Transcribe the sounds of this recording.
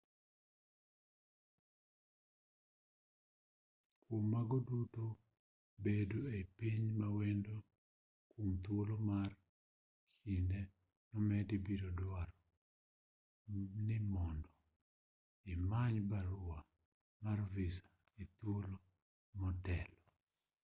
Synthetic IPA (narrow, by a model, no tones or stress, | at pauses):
kwomːaɡɔduto | beduepiɲmawɛndo | kumt̪wolomar | kinde | nɔmɛdibiɾodwaɾɔ | nɪmɔndɔ | ɪmaɲbaɾʊa | marvisḁ | it̪wolo | mɔtɛlɔ